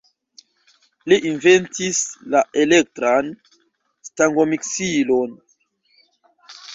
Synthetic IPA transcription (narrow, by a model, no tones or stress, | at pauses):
liʔinventislaʔelek̚tɾan | staŋɡomiksilon